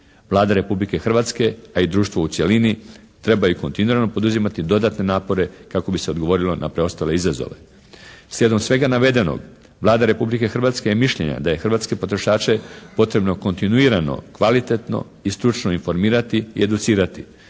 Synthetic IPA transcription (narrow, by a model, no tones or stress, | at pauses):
ʋlˠaːd̪aɾe̞publike̞xr̩ʋaːt̪ske̞aid̪ɾuːʃt̪ʋo̞ut̪sjelini | t̪ɾe̞bajuko̞nt̪inuɾanopo̞d̪uzimat̪id̪o̞d̪at̪ne̞naːpo̞ɾe̞kako̞bise̞o̞d̪ɡo̞ʋo̞ɾilo̞nʔa̰pɾe̞o̞st̪ale̞izazo̰ʋe̞̰ | slʲjed̪o̞msʋe̞ɡanaʋe̞d̪e̞no̰ɡ | ʋlˠaːd̪aɾe̞publike̞xr̩ʋat̪skejemiʃʎe̞̰ɲa̰d̪aje̞xr̩ʋat̪ske̞po̞t̪ɾo̞ʃaːt͡ʃe̞po̞t̪ɾe̞bno̞ko̞nt̪inuiɾano̞̰kʋalit̪e̞t̪no̰ | ist̪ɾut͡ʃnoinfo̞ɾmiːɾat̪iḭe̞d̪ut̪siːɾat̪i